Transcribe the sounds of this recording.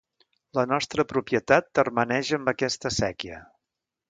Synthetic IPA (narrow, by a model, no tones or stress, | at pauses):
lənɔst̪ɾəpɾupjət̪at̪̚ːərmənɛʒəmbəkɛst̪əsɛkiə̰